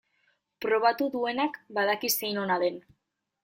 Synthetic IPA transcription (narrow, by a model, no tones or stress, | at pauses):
pɾo̞β̞at̪uðue̞nakbaðakise̞jno̞naðe̞n